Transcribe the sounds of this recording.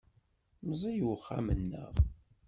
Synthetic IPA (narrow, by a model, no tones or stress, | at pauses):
mzˤijwəχːamənːə̰ʁ